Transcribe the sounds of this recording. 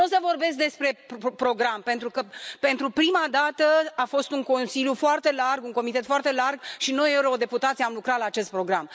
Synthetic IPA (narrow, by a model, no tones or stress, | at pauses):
o̞səvo̞rbe̞s̬k̚d̪espɾe̞ppɾo̞ɡɾampe̞nt̪ɾukəpe̞nt̪ɾupɾimad̪at̪əafo̞st̪uŋko̞nsiljufoart̪e̞larɡuŋko̞mit̪e̞t̪foart̪e̞larɡʃino̞je̞uɾo̞d̪e̞put̪at̪siamlukɾat̪laːt͡ʃe̞st̪̚pɾo̞ɡɾam